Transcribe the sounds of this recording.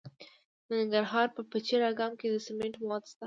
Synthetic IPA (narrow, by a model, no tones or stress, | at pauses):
d̪ənɪŋɡaɾɦɑɾpəpət͡ʃeɾɑɡɑmked̪əsɪmeɳʈwɑt̪st̪a